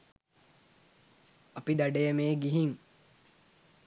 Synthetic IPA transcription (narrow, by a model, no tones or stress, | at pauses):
ɐpid̪aɖejəmeːɡiɦiŋ